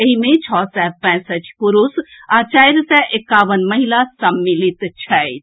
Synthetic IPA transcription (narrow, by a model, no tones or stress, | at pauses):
eɦimẽt͡ʃʰɔːsɛpɛ̃səʈʰkuɾusat͡ʃajɾsɛʔekːaːʋənməɦilasəmːilit̪t͡ʃʰəit̪